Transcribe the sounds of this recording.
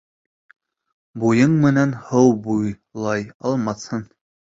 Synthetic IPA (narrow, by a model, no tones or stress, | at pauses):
bujɤɴmɘ̆nænhɤwbuj | lˠɑjɑlˠmɑθhɤn